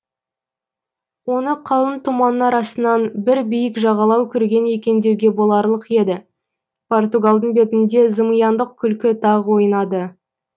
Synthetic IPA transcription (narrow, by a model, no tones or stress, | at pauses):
wo̞nəqʰɑwˠənt̪ʰumɑnːɑɾɑsənɑnbɪɾbijɪkʒɑʁɑlˠɑwkʲʰʏɾɡʲe̞nje̞kʲe̞nd̪e̞wɡʲe̞bo̞lˠɑɾlˠəqje̞d̪ɪ | pʰo̞rt̪uɡalˠd̪əɴbe̞t̪ɪnd̪e̞zəməjɑnd̪əq̚kʲʰʏlkʲɪt̪ʰɑʁwo̞jənɑd̪ə